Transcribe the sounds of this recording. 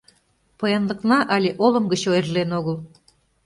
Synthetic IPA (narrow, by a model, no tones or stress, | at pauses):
pɤjɑnlə̆knɑʔɑlʲeʔolɤəmɡət͡ɕoerlenoɣəlˠ